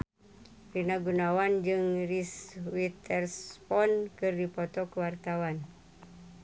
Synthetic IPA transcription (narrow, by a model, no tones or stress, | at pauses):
rinaɡunawand͡ʒɨŋriswit̪ɛrspɔnkɨrdipɔt̪ɔkəwart̪awan